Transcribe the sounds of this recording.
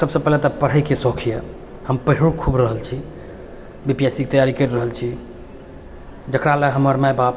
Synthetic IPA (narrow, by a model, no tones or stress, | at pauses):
səbsəpɛɦlet̪əpəɽ̤əjkesɔkʰije | həmpəɦɽkʰubɾəɦəlt͡ʃʰi | bipijasik̚t̪əjaɾikeʈɾəɦəlt͡ʃʰi | d͡ʒəkɾaleɦəməɾmajbap